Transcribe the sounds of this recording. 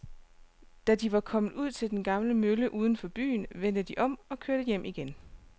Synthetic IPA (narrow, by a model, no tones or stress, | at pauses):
d̥æd̥iʋɑ̈kʰɒ̽mð̩ˠuð̞̰ˠt͡sʰe̝ld̥enɡ̥ɑ̈mləmøləʔuːð̞ˠən̩fɒ̽b̥y̰ːnʋen̰d̥əd̥iʔɒ̽m̰ɒ̽kʰøɐɾ̥əjem̰ʔiɡ̥en